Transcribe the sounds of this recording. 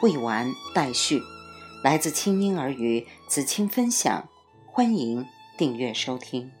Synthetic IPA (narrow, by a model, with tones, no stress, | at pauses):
we˥˩ɪwa˧˥nt̪a˥˧ɪɕy˥˩la˧˥ɪt͡sɹ̩˥˩t͡ɕʰi˥ŋi˥ŋə˞˧˥y˧˩t͡sɹ̩˨˩t͡ɕʰi˥ŋfə˥nɕjɑ̰˨˩˦ŋ | xwa˥ni˧˥ŋ | t̪i˥˧ŋɥɛ˥˩ʂo˥ʊt̪ʰi˥ŋ